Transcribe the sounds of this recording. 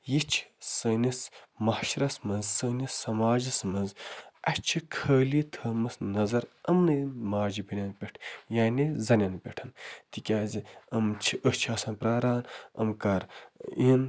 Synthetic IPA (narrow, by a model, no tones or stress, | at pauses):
jit͡ʃʰsəːnʲismɐhʃɾɐsmɐnzsənʲissɐmaːd͡ʒismɐnzɐt͡ʃʰikʰəːlit̪ʰəːmɨsnɐzɐɾɐmnɨmaːd͡ʒibinʲɐnpʲeʈʰjaːnizɐnʲanpʲeʈʰɐnt̪ikʲaːziɐmt͡ʃʰiʔəht͡ʃʰɐsɐnpɾaːɾaːnɐ̰mkɐɾḭn